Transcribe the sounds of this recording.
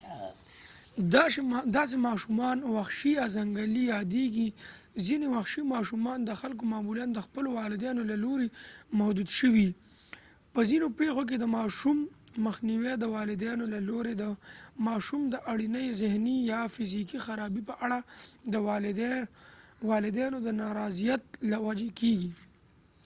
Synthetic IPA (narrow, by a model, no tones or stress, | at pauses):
d̪ɑd̪ɑs̬emɑʃumɑnwaxʃijɑzaŋɡalijɑd̪eɡizinewaxʃimɑʃumɑnd̪əxalk̬omɑmuljand̪əxpəlowɑlɪd̪jɑnolaloɾemahd̪ud̪ʃəwi | pəzinopexok̬ed̪əmɑʃumː | əxniwɛd̪əwɑlɪd̪jɑnolaloɾed̪əmɑʃumd̪əʔaɽinəjzɪhnijɑfɪzikixaɾɑbipəʔaɽad̪ə | wɑlɪd̪jɑnod̪ənɑɾɑzijat̪̚lawad͡ʒekeɡi